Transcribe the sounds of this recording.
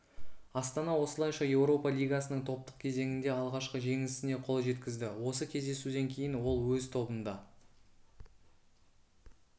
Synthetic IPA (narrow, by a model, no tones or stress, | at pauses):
ɑst̪ɑnɑwo̞səlˠɑjʃɑje̞wɾo̞pɑlʲijɡɑsənəɴt̪ʰo̞p̚t̪ə̥q̚kʲʰe̞ze̞ŋɪnd̪e̞ɑlˠʁɑʃqəʒe̞ŋɪsɪne̞qʰo̞lˠʒe̞t̪kʲɪzd̪ɪwo̞səkʲʰe̞zd̪e̞sud̪e̞ŋkʲʰe̞jɪnwo̞lˠwɵzt̪ʰo̞bənd̪ɑ